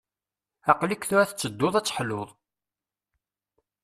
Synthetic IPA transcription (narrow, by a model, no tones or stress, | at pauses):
ɑqlikθʊɾæθət͡sːəd̪ːoðˤæt͡sːħlʊðˤ